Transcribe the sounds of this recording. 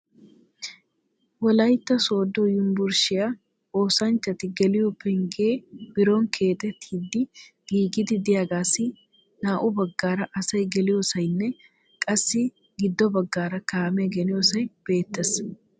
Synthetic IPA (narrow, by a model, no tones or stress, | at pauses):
wɔlɐjt̪ːɐso̞ːd̪ɔjʊmbʊɾʃɪja | o̞ːsɐnt͡ʃːɐt̪ɪɡɛlɪjɔpːɛŋɡeːb̥ɪɾoŋkʰe̞ːt̪ɛt̪ʰːiːd̪ːɪɡiːɡɪd̪ɪd̪ɪjaːɡaːsɪ | naːʔʊbɐɡːaːɾɐʔɐsɐjɡɛlɪjoːsɐjnːɛ | kʼɐsːɪ | ɡɪd̪ːɔbɐɡːaːɾɐkaːmɛɡɛnɪjosɐjb̥e̞ːt̪ːɛs